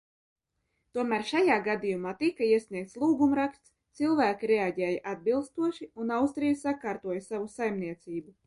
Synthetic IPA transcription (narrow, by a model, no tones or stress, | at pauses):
t̪uɔmæːɾʃajaːɡad̪ijumaːt̪ikaiɛsʲniɛk̚t̪slˠuːɡumɾakst̪st̪silˠvæːkʲiɾeaɟɛːjaʔad̪̚bilˠst̪uɔʃiunawst̪ɾijasakaːɾt̪uɔjɐsavusajmniɛt̪siːbu